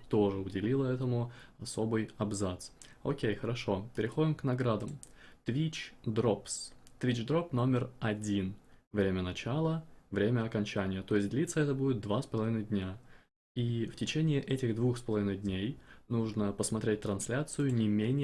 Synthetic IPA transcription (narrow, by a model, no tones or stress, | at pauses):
t̪oʐɨʊdʲɪlʲilˠəɛt̪əmʊɐso̞bɨjɐbzat̪so̰kʲejxəɾɐʂo̞pʲɪɾʲɪxo̞dʲɪmknɐɡɾad̪əmt̪vʲit͡ɕd̪ɾopst̪vʲit͡ɕd̪ɾo̞pno̞mʲɪrɐdʲinvɾʲemʲənɐt͡ɕalˠəvɾʲemʲəɐkɐnʲt͡ɕænʲɪjət̪o̞ɪsʲtʲd̪ʲlʲit̪səɛt̪əbudʲɪt̪̚d̪vaspəlˠɐvʲinəɪjdʲnʲa | iftʲɪt͡ɕenʲɪɪʔɛtʲɪɣd̪vuxspəlˠɐvʲinɨjdʲnʲejnuʐnəpəsmɐt̪ɾʲet̚ʲt̪ɾɐnsʲlʲat̪sɨjʊnʲɪmʲenʲɪ